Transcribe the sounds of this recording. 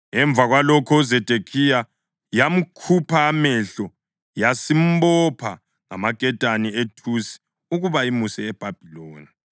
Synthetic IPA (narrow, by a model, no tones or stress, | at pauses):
ɛɱb̪vʱaɣwalɔkʰɔuzɛd̥ʱekʰija | jam̩kʰupʰaːmɛɬɔ | jasim̩bɔpʰa̰ | ŋa̰maɡ̥ʱʼɛtʼanietʰusi̥ | uɣuβaimusɛɛb̥ʱab̥ʱiloːni